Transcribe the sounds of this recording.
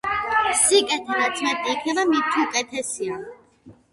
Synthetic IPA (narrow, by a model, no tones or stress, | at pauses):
sikʼɛt̪ʰaɾat̪sʰmɛt̪ʼiːkʰnɛbamit̪ʰuukʼɛt̪ʰɛsia